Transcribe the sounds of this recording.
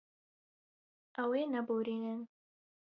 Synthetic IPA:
ʔɐweːnɐboɾiːnɨn

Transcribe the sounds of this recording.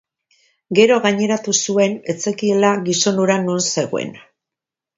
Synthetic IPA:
ɡe̞ɾo̞ɣaɲe̞ɾat̪usue̞ne̞t͡se̞kie̞laɣiso̞nuɾanonse̞ɣ̞oḛn

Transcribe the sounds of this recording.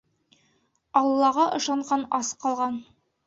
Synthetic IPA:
ɑlˠːɑʁɑʔɤ̆ʃɑɴʁɑnɑsqɑlˠʁɑn

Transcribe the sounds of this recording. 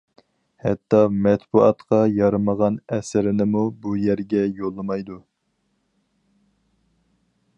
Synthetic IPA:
hɛt̪ːɑmɛt̪buɑt̪qʰɑjɑɾɨməʁɑnɛsɪɾɪnɪmubujæɾɡʲɛjolˠːɨmɑjd̪u

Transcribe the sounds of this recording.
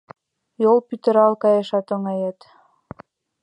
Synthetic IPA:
jolˠpyt̪ə̆ɾɑlˠkɑjeʃɑt̪oŋɑjet̪

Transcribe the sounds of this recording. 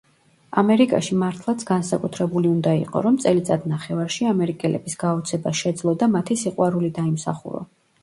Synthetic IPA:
amɛɾikʼa̰ʃimaɾt̪ʰlˠat̪sʰɡ̥ansakʼut̪ʰɾɛbuliund̪aḭqʼɔ̰ɾɔmt̪sʼɛlit̪sʼad̪naχɛvaɾʃiamɛɾikʼɛlɛ̰bisɡ̥aɔt̪sʰɛbaʃɛd̪zlˠɔd̪amat̪ʰisiqʼwaɾulid̪aimsa̰χṵɾɔ̰

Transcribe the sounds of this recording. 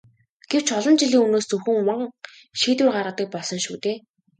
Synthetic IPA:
ɡ̥ew̥t͡ɕɔɮɞ̆nt͡ɕiɮiːŋunoːst͡sɵwxɘ̆ŋwəŋ | ʃiːt̪ɘːrɢaɾə̆t̪iːk̚pɔɮsɞ̆nʃṵːt̪eː

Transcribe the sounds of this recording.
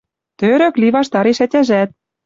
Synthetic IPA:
t̪øɾø̆kliβɑʃt̪ɑɾeʃætʲæʒæt̪̚

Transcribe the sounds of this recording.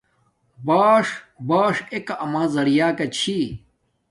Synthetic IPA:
baːʂbaːʂekaʔɐmãːzɐɽijaːkɐt͡ɕʰi

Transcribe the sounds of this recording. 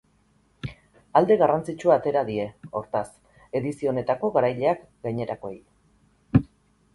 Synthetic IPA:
ald̪e̞ɣarant͡sit͡ʃuat̪e̞ɾaðie̞o̞ɾt̪as | e̞ðisio̞ne̞t̪ako̞ɣaɾajʎe̞ak | ɡajɲe̞ɾako̞ḛj

